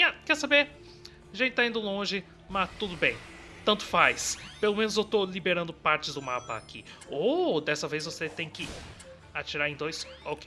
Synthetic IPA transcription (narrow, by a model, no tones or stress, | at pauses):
iakɛɾsabeɾ | ʒẽt͡ʃɪ̥t̪aĩnd̪ʊlõʒɪ | mat̪ud̪ʊbẽj̃ | t̪ɐ̃nt̪ʊ̥fajspelomẽnʊzewt̪olibeɾɐ̃nd̪ʊpaɾt͡ʃɪzd̪ʊmapɐa̰kʰḭod̪ɛsɐvejzvoset̪ẽj̃kɪ | at͡ʃiɾaɾẽj̃d̪ojsoke̥